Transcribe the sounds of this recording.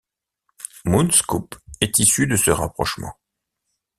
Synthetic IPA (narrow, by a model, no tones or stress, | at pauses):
munskupɛt̪isyd̪əsəʁa̰pχɔ̰ʃmɑ̰̃